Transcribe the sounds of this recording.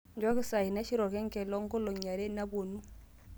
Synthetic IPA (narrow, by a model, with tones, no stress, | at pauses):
ɲd͡ʒwa˦ki˦sa˨i˨na˦ʃi˦ɾo˨ke˦ŋke˨lo˦ŋɡo˦lo˨ɲa˨ɾe˦na˦βo˨nu˦